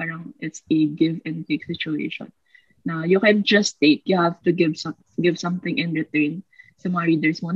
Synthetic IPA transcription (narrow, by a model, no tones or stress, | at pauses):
paːɾɐŋʔɪt̪sɛɡɪvɛ̃nd̪t̪eksɪt͡ʃʊḛːʃɔ̰̃nː | ɐjʊkɛ̃nd͡ʒɐst̪eɪkjʊhavt̪ʊɡɪvsɐ | ɡɪvsɐ̃mθɪ̃ŋʔɪ̃nɹɪt̪ɛɹnsɐmɐŋɐɹiːd̪ɛɹsmo